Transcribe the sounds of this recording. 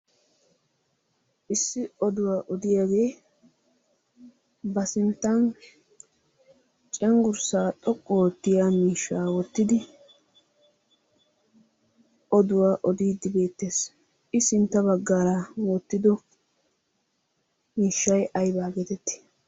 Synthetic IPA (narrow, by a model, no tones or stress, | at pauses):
ʔɪsːɪɔd̪ʊwaːʔɔd̪ɪjaɡe̞ː | bɐsɪnt̪ːɐn | t͡ʃʼɛŋɡʊɾsaːt̪ʼɔkʼːɔwɔt̪ːɪjaːmiːʃːaːwɔt̪ːɪd̪ɪ | ʔɔd̪ʊwaːʔɔd̪iːd̪ɪbe̞ːt̪ːeːs | ɪsɪnt̪ːɐbɐɡːaːɾawɔt̪ːɪd̪ɔ | miːʃːɐjʔɐjbaːɡeːt̪ɛt̪ːɪ̥